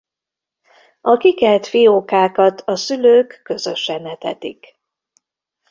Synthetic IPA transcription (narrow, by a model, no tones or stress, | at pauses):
ɒkikɛlt̪fijoːkaːkɒt̪ʰɒsyløːkːø̞zø̞ʃɛnɛt̪ɛ̰t̪ik